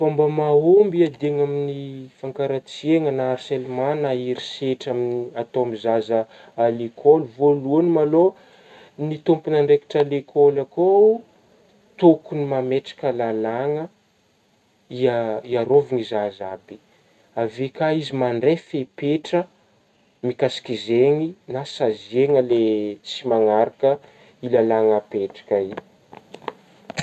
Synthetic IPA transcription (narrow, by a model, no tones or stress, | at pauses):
fambəmaombiad̪eŋaminifaŋkaɾat͡sieŋənaːɾselmanaiɾiseʈ͡ʂaminiat̪oamizazə | alekʰolvoluanimalo | nit̪umpinaɳɖ͡ʐeki̥ʈ͡ʂalekʰɔlako | t̪okunimameʈ͡ʂḁkəlalaŋə | iaiaɾoviŋizazabi̥ | avekaizimaɳɖ͡ʐefepeʈ͡ʂə | mikasi̥kizeŋinasazeŋəlet͡simaŋaɾakə | ilalaŋəpeʈ͡ʂḁkai